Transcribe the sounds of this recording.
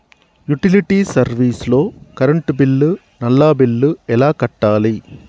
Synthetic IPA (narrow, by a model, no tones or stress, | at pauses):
juʈɪliʈiːsɐɾʋiːsloːkɐɾɐɳʈbɪlːɯ | nɐlːaːbɪlːɯɛlaːkɐʈːaːliː